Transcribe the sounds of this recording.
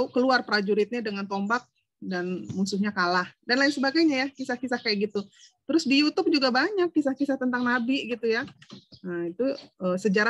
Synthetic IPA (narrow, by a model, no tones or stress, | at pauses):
kəluarpɾad͡ʒuɾɪt̪̚ɲadəŋant̪ɔmbak̚ | danmusʊhɲakalahdanlaɪnsəbaɡajɲajakisahkisahkajaʔɡit̪ut̪əɾʊsdijut̪ʊp̚d͡ʒuɡabaɲakːisahkisaht̪ənt̪aŋnabiɡit̪ujaəit̪uəːsəd͡ʒaɾa